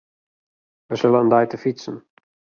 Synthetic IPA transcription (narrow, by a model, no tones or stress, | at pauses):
ʋəsɪləəndajtəfisən̩